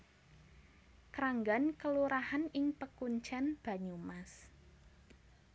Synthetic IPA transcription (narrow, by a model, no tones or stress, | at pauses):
kɾaŋɡankəluɾahanɪŋpəkuɲt͡ʃanb̥a̤ɲumas